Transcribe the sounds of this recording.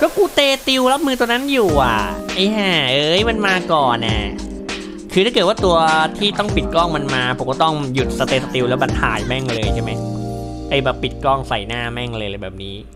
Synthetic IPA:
kɔː˥˩kuː˧t̪eː˧t̪i˧wla˦˥p̚mɯː˧t̪u˧na˦˥njuː˨˩ʔa˨˩ʔa˧˩a˧˩ʔɤː˧jma˧nmaː˧kɔː˨˩nʔa̰˨˩ | kʰɯː˧ɾʰa˥˩kːt̪̚waː˥˩t̪u˧ɐt̪ʰiː˥˩t̪ɔ˥˩ŋpi˨˩t̪̚kɔ˥˩ŋma˧nmaː˧pʰu˨˩˦kɔ˥˩t̪ɔ˥˩ŋju˨˩t̪̚sa˧t̪eː˧sa˧t̪i˧wlɛː˦˥wba˨˩t̪ʰa̰ː˨˩jmɛ˥˩ŋlɤː˧jt͡ɕʰa˥˩ma˦j | ʔaː˧˩jbɛː˨˩pːi˨˩t̪̚kɔː˥˩ŋsa˨˩jnaː˥˩mɛ˥˩ŋlɤː˧jlaː˧jbɛː˨˩p̚niː˦˥

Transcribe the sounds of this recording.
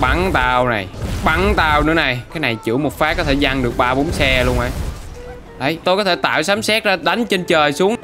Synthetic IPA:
ɓa˨˦ŋt̪aː˧wna˨˩jɓa˨˦ŋt̪aː˧wnɨ̰˧˥əna˨˩jkaː˨˦jna˨˩jt͡ɕɨ̰˧˥əmo˨˩t̚faː˦˥kɔ˨˦t̪ʰe˧˩za˧ŋɗɨ˨˩ək̚ɓaː˧ɓo˨˦nsɛ˧lu˧əŋʔa̰ː˧˩ | ɗə˨˩jt̪o˧jkɔ˨˦˥e˧˩t̪a̰ː˧˨wsaː˨˦msɛ˦˥t̚zaː˧ɗa˨˦jŋ̟t͡ɕe˧nt͡ɕəː˨˩jsu˨˦əŋ

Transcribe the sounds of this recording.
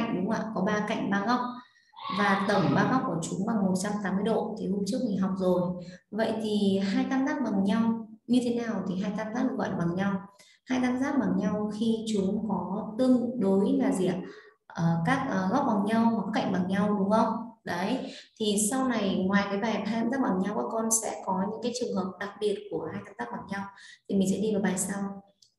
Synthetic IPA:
ŋ̟ɗʊ˨˦ŋ͡mʔa̰ː˧˨kɔ˨˦ɓaː˧ka̰˧˨jŋ̟ɓaː˧ɣa˦˥wk͡p̚ | vaː˨˩t̪ə˧˩mɓaː˧ɣa˦˥k͡p̚kːu˧˩ət͡ɕʊ˨˦ŋ͡mɓa˨˩ŋmo˨˩t̚t͡ɕa˧mt̪aː˨˦mːɨ˧əjɗo̰˧˨t̪ʰi˨˩hu˧t͡ɕɨ˦˥ək̚ɲi˨˩ɦa˨˩wk͡p̚zo˨˩jvə̰˧˨jt̪ʰi˨˩ɦaː˧jt̪aː˧mzaː˦˥k̚ɓa˨˩ŋɲa˧wɲɨ˧t̪ʰe˨˦naː˨˩wt̪ʰi˨˩ɦaː˧jt̪aː˧mza˦˥k̚ɨ˨˩˨ɔ̰˧˨ʔːɓa˨˩ŋɲa˧w | haː˧jt̪aː˧mzaː˦˥k̚ɓa˨˩ŋɲa˧wxi˧t͡ɕʊ˨˦ŋ͡mkɔ˨˦t̪ɨ˧ŋɗo˨˦jlaː˨˩zḭ˧˨˩ət̚ | ʔəː˨˩kaː˦˥k̚ʔəː˨˩ɣɔ˦˥p̚ɓa˨˩ŋɲa˧wma˨˩kaː˦˥ka̰˧˨ŋ̟ɓa˨˩ŋɲa˧wɗʊ˨˦ŋ͡mxə˧wŋ͡mɗə˨˦jt̪ʰi˨˩sa˧wna˨˩jŋwaː˨˩jkaː˨˦jvaː˨˩jaː˧jaː˧mt̪aː˦˥k̚ɓa˨˩ŋɲa˧wɓa̰ː˨˦˥kɔ˧nsɛ̰˧˥kɔ˨˦ɲɨ̰˧˥kaː˨˦jt͡ɕɨ˨˩əŋhɦəː˨˩p̚ɗa˨˩k̚ɓi˨˩ət̚ku˧˩əhaː˧jt̪aː˧mt̪aː˦˥k̚ɓaː˨˩ŋɲa˧wt̪ʰi˨˩mï˨˩ŋ̟sɛ̰˧˥ɗi˧vaː˨˩ɓaː˨˩jsaː˧w

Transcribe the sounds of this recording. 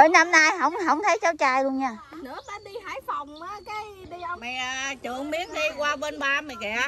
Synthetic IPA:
ʔəː˨˦jna˧mnaː˧jɦə̰˧˥wŋ͡mɦə̰˧˥wŋ͡mt̪ʰə˨˦jt͡ɕa˨˦wt͡ɕaː˧jlu˧əŋɲaː˧˩nɨ̰˧˥əɓa˧nɗi˧ɦaː˧˩˦jfa˨˩wŋ͡maː˨˦kaː˨˦jɗi˧ə˧wŋ͡mma˨˩jʔaː˩t͡ɕɨ˨˧˩əŋɓi˨˦˥ənɗi˧kwaː˧ɓe˧nɓaː˧ma˨˩jkɛ̰˧˨˩

